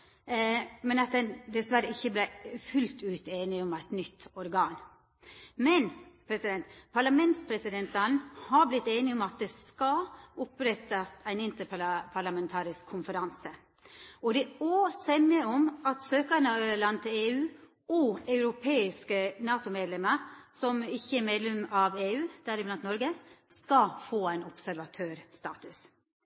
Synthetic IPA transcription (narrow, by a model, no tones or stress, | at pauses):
mɛnɑt̪̚d̪ɛnd̪ɛsʋæɾəɪçːəblæfʉlt̪ʉːt̪eːnɪɔmæɪt̪nʏt̪ːɔɾɡɑːn | mɛnpʰɾɛsɪd̪ɛnt̪pʰɑɾɭɑmɛnt̪spʰɾɛsɪd̪ɛnt̪ɑnhɑɾblɪt̪ːeːnɪɔmɑt̪̚d̪ɛskɑʊpɾɛt̪ːɑst̪ʰæɪnɪnt̪əɾppʰɑɾɭɑmɛnt̪ʰɑːɾɪskʰːʊnfəɾɑnsə | ɔd̪ɛoːsɛnːɪəɔmɑt̪søːkənəɑlɑnt̪ʰɪleːʉː | ɔɑʉɾʊpʰeːɪskənɑːt̪ʊmeːd̪lɛməɾsɔmɪçːəɛmeːd̪lɛmɑʋeːʉːd̪̥æɾɪblɑnt̪nɔɾɡəskɑfoːæɪnɔpsæɾʋɑt̪ʰøːɾst̪ɑ̰ːt̪ʉs